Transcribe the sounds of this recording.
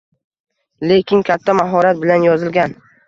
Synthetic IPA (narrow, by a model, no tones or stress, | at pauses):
le̞kʲʰɪŋkʲʰat̪ʰːamaɦɒɾat̪̚bɪlanjɒzɪlɡʲan